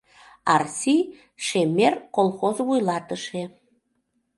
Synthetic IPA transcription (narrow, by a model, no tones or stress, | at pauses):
ɑrsʲi | ʃemerkolˠxozβujlɑt̪əʃe